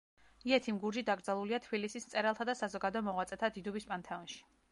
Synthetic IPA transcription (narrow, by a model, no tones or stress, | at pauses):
iɛt̪ʰimɡuɾd͡ʒid̪aɡɾdzalˠuliat̪ʰbilisist̪sʼɛɾalˠt̪ʰad̪asazɔɡad̪ɔmɔʁwat̪sʼɛt̪ʰad̪id̪ubispʼant̪ʰɛɔnʃi̥